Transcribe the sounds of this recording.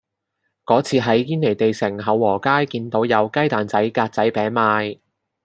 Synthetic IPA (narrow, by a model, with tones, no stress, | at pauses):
kɔː˨˥t͡sʰiː˧ɦɐ˨˥jːiː˥ne˨˩jt̪e˨jsɪ˨˩ŋɦɐ˨˧wːɔː˨˩kaː˥jkiː˧nt̪o˨˥wjɐ˨˧wkɐ˥jt̪aː˨nt͡sɐ˨˥jkaː˧t̚t͡sɐ˨˥jpɛː˨˥nmaː˧j